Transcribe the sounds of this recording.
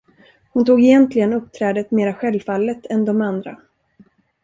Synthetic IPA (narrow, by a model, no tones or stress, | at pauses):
hʊnt̪uːɡɛjɛnt̪lɪɡənɵp̚ːt̪ʰɾɛːd̪ət̪meːɾaɧɛlvfalːət̪ɛnd̪ɔmand̪ɾa̰